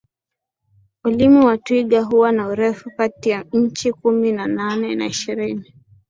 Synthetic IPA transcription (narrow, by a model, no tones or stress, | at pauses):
ulimuwatwiɠaɦuwanauɾɛfukatijaɲ̩t͡ʃikuminananɛna̰iʃiɾini